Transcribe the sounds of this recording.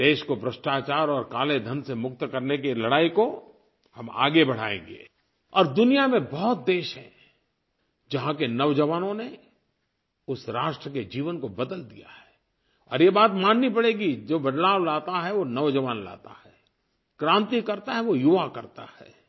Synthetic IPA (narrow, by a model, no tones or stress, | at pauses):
d̪eːʃkobɾəʃʈaːt͡ʃaːɾɔːɾkaːled̪ʱənsemʊk̚t̪kɐɾnek̬ilɐɽaːiko | hɐma̰ːɡebɐɽ̤a̰ːḛ̃ːŋɡḛː | ɔːɾd̪ʊnijamẽbɔɦʊt̪̚d̪eːʃɦɛ̰̃ | d͡ʒɐɦãkenɐʋd͡ʒɐʋaːnõne | ʊsɾaːʃʈɾəked͡ʒiːʋənkobɐd̪əld̪ḭja̰hɛː | ɔ̰ːɾjebaːt̪mãːnːipɐɽeːɡid͡ʒoːbɐd̪laːʋlaːt̪aɦɛʋonɐʋd͡ʒɐʋaːnla̰ːt̪a̰hɛː | kɾãːnt̪ikɐɾt̪aɦɛʋojʊʋakɐɾt̪a̰hɛ̰ː